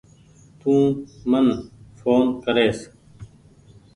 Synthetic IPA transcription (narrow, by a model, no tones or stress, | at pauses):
t̪ũːmɐnfoːnkɐɾeːs